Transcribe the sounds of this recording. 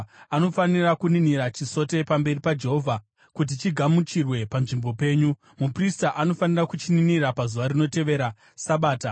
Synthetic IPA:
ano̞fanirakuniniɾat͡ʃiso̞te̞pambe̞ripad͡ʒe̞ɦo̞vʱa | kut̬it͡ʃiɡʱamut͡ʃirwe̞panʐimbo̞pe̞ːɲu | mupristaʔano̞fanirakut͡ʃininirapazuʋaɾino̞te̞ʋe̞ɾa | saɓaːta

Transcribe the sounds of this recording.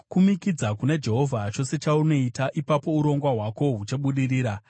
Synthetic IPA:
kumikid͡zakune̞d͡ʒe̞ɦo̞vʱat͡ʃo̞se̞t͡ʃauno̞itaʔipapo̞uɾo̞ŋɡwaɦwako̞ɦut͡ʃeɓuɗiriːɾa

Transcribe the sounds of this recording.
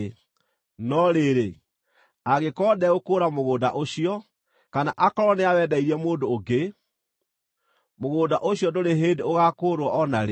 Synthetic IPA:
nɔɾeɾe | aɣekɔdɛokoːɾamoɣoːdaʔoɕijɔ | kanaʔakɔɾɔneawɛːdaiɾɛmoːdoːɡe | moɣoːdaʔoɕijɔdoɾeɦeːdeoɣakoɾwɔʔɔnaɾe

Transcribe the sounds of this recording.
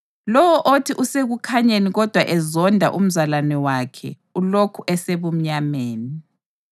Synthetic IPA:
lɔwɔʔotʰiʔuseɣukʰaɲeniɣɔd̥ʱwaʔɛzɔndʱa̰ʔum̩zalanɛwakʰɛ̰ | ulokʰuʔɛseβum̩ɲameːni

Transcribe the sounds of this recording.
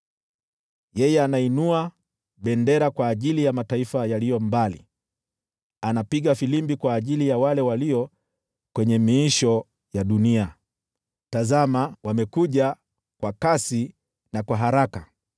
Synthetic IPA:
jɛjɛanainua | ɓɛndɛɾakwaːʄilijamataifajalijɔmbalḭ | anapiɠafilimbikwaːʄilijawalɛwaliɔ | kwɛɲɛmiːʃɔ | jaɗunia | tazamawamɛkuʄa | kwakasi | nakwaɦaɾaka

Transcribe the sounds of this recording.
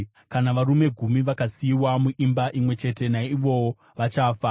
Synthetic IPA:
kanaʋaɾume̞ɡʱumiʋakasiwamuʔimbaʔimwe̞t͡ʃe̞te̞naiʋo̞wo | ʋat͡ʃaːfa

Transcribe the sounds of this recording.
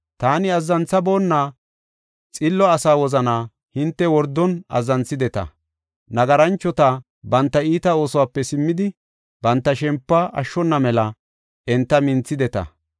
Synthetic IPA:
t̪aːnɪɐzːɐnt͡sːɐbo̞ːnːaː | t͡sʼɪlːɔɐsaːwɔzɐnaː | hɪnt̪ːɛwɔɾd̪ːɔnɐ̰zːɐnt͡sːɪd̪ɛt̪ɐ̰ | nɐɡɐɾɐnt͡ʃːɔt̪a | bɐnt̪ːɐiːt̪ɐo̞ːsɔwaːpːɛsɪmːɪd̪ɪ | b̥ɐnt̪ːɐʃɛmpːɐʔɐ̰ʃːɔnːɐmɛlɐ | ʔɛnt̪ːɐmɪnt͡sːɪd̪ɛt̪ɐ̰

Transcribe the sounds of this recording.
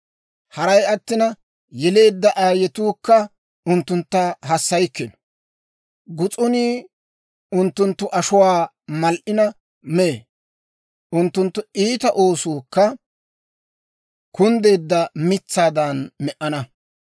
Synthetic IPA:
hɐɾɐjɐt̪ːɪnɐ | jɛle̞ːd̪ːɐʔaːjɛt̪uːkːɐ | ʊnt̪ːʊnt̪ːɐɦɐsːɐjkːɛn | ɡʊt͡sʼʊniː | ʊnt̪ːʊnt̪ːʊʔɐʃʊwaː | mɐlʔɪnɐ | me | ʔʊnt̪ːʊnt̪ːʊiːt̪ɐʔo̞ːsuːkːɐ | kʊnd̪e̞ːd̪ːɐmɪt͡sːaːd̪ɐnmɛʔɐnɐ

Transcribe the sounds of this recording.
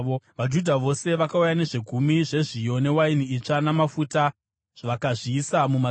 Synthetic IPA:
ʋad͡ʒudʱaʋo̞se̞ʋakaujane̞ʐeɡʱumiʐe̞ʐijo̞ne̞wainiit͡ʂanamafuta | ʐ̥ʋakaʐiːsamuma

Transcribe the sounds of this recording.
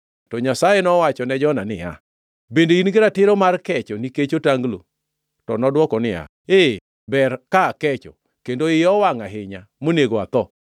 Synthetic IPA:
tɔɲasajenɔwat͡ʃɔnɛd͡ʒɔnanɪja̰ | bendeinɡɪɾatɪɾɔmarkɛt͡ʃɔniket͡ʃotaŋɡlo̰ | tɔnɔdwɔkɔnɪa̰ | e | bɛrkakɛt͡ʃɔ̰ | kendoɪɔwaŋaɦɪɲamoneɡoat̪ɔ

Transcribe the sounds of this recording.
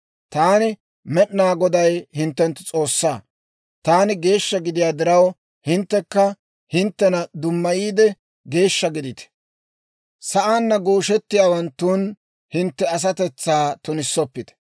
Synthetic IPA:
t̪aːnɪ | mɛɗnaːɡɔd̪ɐjhɪnt̪ːɛnt̪ːʊt͡sʼo̞ːsːaː | t̪aːnɪɡe̞ːʃːɐɡɪd̪ɪjaːd̪ɪɾɐw | hɪnt̪ːɛkːɐ | hɪnt̪ːɛnɐd̪ʊmːɐjiːd̪ɛ | ɡe̞ːʃːɐɡɪd̪ɪt̪ɛ̥ | sɐʔaːnːɐɡoːʃɛt̪ːɪjaːwɐnt̪ːuːn | hɪnt̪ːɛɐs̬ɐt̪ɛt͡sːaːt̪ʊnɪsːɔpːɪt̪ɛ̥

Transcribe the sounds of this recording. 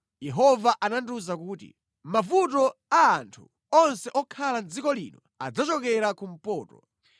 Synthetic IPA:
jɛɦɔvaʔananduzakuːtḭ | mavutɔaːntʰu | ɔnsɛʔɔkʰaland͡zikɔlḭːnɔ | ad͡zat͡ʃɔkɛɾakum̩pɔːtɔ̰

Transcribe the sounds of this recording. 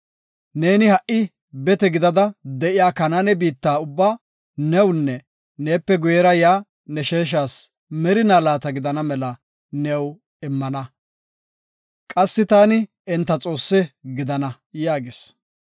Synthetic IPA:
ne̞ːnɪhɐʔɪ | bɛt̪ɛɡɪd̪ɐd̪ɐd̪ɛʔɪjaːkɐnanɛbiːt̪ːaːʊbːaː | nɛwnːɛ | neːpːɛɡʊjɛɾɐjaː | nɛʃeːʃ̬aːs | mɛɾɪnaːlaːt̪ɐɡɪd̪ɐnɐmɛlɐ | nɛw | ɪmːɐnɐ | kʼɐsːɪt̪aːnɪ | ɛnt̪ːɐt͡sʼo̞ːsːɛɡɪd̪ɐnɐ | jaːɡɪs

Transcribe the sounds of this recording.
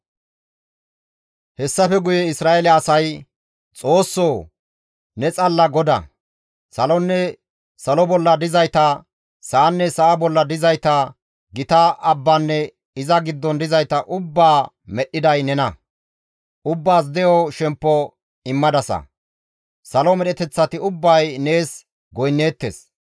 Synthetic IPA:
hɛsːɐfɛɡʊjɛɪsɾaːelɛɐsɐj | t͡sʼo̞ːsːoː | nɛt͡sʼɐlːɐɡɔd̪ɐ̰ | sɐlɔnːɛ | sɐlɔbɔlːɐd̪ɪzɐjt̪ɐ | saːnːɛsɐʔabɔlːɐd̪ɪzɐjt̪ɐ | ɡɪt̪ɐʔɐbːɐnːɛ | ɪzɐɡɪd̪ːɔnd̪ɪzɐjt̪ɐʔʊbːaː | mɛɗːɪd̪ɐjnɛnɐ | ʔʊbːaːs̬d̪ɛjɔʃɛmpːɔ | ɪmːɐd̪ɐsɐ̰ | sɐlɔmɛɗɛt̪ɛt͡sːɐt̪ɪʊbːɐjne̞ːs | ɡɔjnːe̞ːt̪ːḛːs

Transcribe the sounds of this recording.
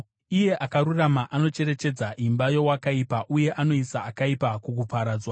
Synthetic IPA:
ije̞ʔakaɾuramaʔano̞t͡ʃe̞ɾe̞t͡ʃe̞d͡zaʔimbajo̞wakaipaʔuje̞ʔano̞isaːkaipakuk̬upaɾaːd͡zwa

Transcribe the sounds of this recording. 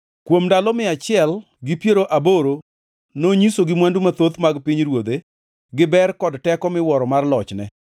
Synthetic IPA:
kwomdalɔmɪat͡ʃɪɛl | ɡɪpjeɾoʔaboɾo | noɲisoɡɪmwandumat̪ot̪maɡpiɲɾwod̪e | ɡɪbɛrkɔdtɛkɔmɪwɔɾɔmarlɔt͡ʃnɛ̰

